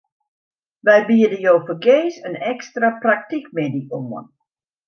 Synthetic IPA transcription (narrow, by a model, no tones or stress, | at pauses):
ʋɛjbiədəjowfəɡeːsənɛkstraprak̚tikmediumə̰n